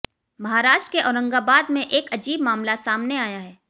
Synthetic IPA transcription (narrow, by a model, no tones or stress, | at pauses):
mɐɦaːɾaːʃʈɾkeʔɔːɾə̃ŋɡabaːd̪mẽʔeːkɐd͡ʒiːbmaːmlasaːmneaːjaɦɛː